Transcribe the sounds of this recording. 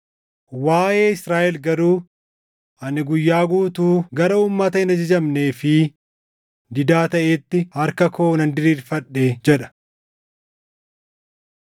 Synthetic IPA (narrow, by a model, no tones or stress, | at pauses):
waːje̞ːɪsɾaːʔɛlɡɐɾuː | ʔɐnɪɡʊjːaːɡuːt̪uːɡɐɾɐuːmːɐt̪ɐɪnɐd͡ʒɐd͡ʒɐmne̞ːfɪ | d̪ɪd̪aːt̪ɐʔeːt̪ːɪhɐɾkɐko̞ːnɐnd̪ɪɾiːɾfɐᶑːeːd͡ʒɛᶑɐ̥